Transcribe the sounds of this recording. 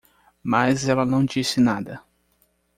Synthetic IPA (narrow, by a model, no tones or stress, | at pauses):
mazɛlɐnɐ̃w̃d͡ʒisɪnad̪ɐ